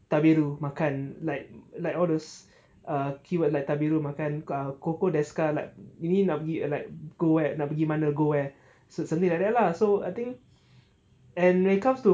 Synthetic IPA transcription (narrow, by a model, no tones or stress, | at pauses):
t̪abeɹumakãnlaɪk̚laɪkɔldos | əkʰiwət̚lajk̚t̪abiɹumakãnəkokodɛskalajk̚juninɔpəɡilaɪk̚ɡ̥owɛnɔpəɡimanəlɡowɛ | sosãmt̪̬ĩŋlajk̚dɛʔlasoa̰jt̪ĩŋk | ɛ̃nwɛ̃nikãmstu